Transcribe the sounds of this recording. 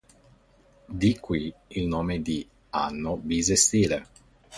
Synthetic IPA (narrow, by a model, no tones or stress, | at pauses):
d̪ikːwiilnoːmed̪i | a̰nːobizest̪iːle